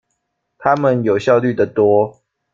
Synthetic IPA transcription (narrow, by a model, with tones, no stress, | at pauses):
t̪ʰa˦mə˨njo˨˩ʊɕjɑ˥˧ʊly˥˨d̪ə˨t̪wɔ˦